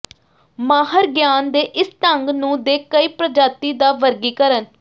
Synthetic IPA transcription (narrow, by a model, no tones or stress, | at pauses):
maːɦəɾɡjaːnd̪eːʔɪst̪əŋɡnũːd̪eːkəiːpɾəd͡ʒaːt̪iːd̪aːʋəɾɡiːkəɾən